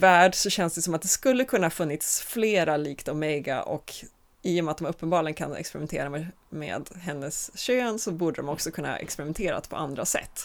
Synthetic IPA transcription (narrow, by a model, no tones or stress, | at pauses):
væːɖsɔɕɛnsd̪ɛsɔmat̪̚d̪ɛskɵlːəkʰɵnːahɑːfɵnːɪt̪sfleːɾaliːkt̪aɔmɛjɡa̰ʔɔ̰k | iːjɔmɛat̪̚ɔmɵpːənbɑːɭɪɡənkʰa̰nɛ̰kspɛɾɪmɛnt̪ʰḛːɾamɛ | mḛːd̪ɦɛnːəsɕøːnsɔbuːɖəd̪ɔmɔksɔkʰɵnːa̰ʔɛ̰kspɛɾɪmɛnt̪ʰeːɾa̰t̪pʰɔ̰and̪ɾasɛ̰t̪ː